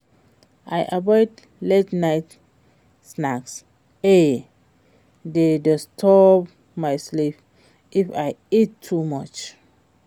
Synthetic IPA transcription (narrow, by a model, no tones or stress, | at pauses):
ʔajʔabɔɪd | letnaɪt | snaks | e | dedɔstʰɔp | maɪslip | ifaɪitʰːumɔt͡ʃ